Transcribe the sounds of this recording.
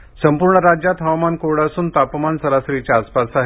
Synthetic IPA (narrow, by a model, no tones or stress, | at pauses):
səmpuɾɳəɾad͡ʑjat̪ɦawmankoɽasuːnt̪apmansəɾasɾit͡ɕjaːspasaɦ